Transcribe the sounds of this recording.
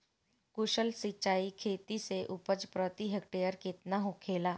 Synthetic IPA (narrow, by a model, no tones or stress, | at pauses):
kʊʃəlsit͡ʃaːikʰeːt̪iseʔʊpəd͡ʒpɾɔːt̪iɦek̚ʈeːjəɾket̪naɦokʰeːlaː